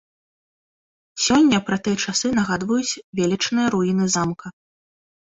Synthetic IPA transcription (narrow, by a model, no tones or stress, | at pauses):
sʲɔnʲːɐpɾɐt̪ɨjɐt͡ʂasɨnɐɣad̪vɐjut͡sʲvʲelʲɛt͡ʂnɨjɐɾujinɨzamkʰɐ